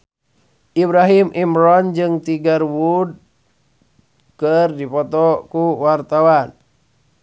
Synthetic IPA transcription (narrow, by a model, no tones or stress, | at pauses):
ʔibɾaɦimʔimɾɔnd͡ʒɨŋt̪iɡarwud̚ | kərdipɔt̪ɔkuwart̪awan